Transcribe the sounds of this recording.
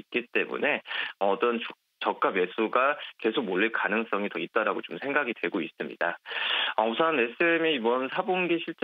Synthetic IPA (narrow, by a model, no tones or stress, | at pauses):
it̚k͈it͈e̞mṵne̞ʌʌt͈ʌnt͡ɕu | t͡ɕʌk̚k͈abje̞sʰuɡake̞sʰok̚moɭːiɭkanɯŋs͈ʌŋitʌit̚t͈aɾaɡot͡ɕomsʰe̞ŋɡaɡidwe̞ɡois͈ɯmɲḭdaʌsʰame̞s͈ɯemiibʌnsʰabonɡiɕʰiɭt͡ɕ͈